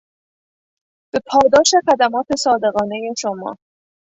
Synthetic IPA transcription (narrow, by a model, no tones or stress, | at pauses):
b̥e̞pʰɒːd̪ɒːʃexæd̪æmɒːt̪ʰe̞sɒːd̪e̞ɣɒːne̞je̞ʃomɒ̰ː